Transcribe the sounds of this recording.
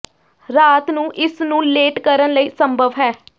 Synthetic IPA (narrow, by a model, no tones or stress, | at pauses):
ɾaːt̪nũːʔɪsnũːleːʈkəɾənləiːsəmbʱəʋɦɛː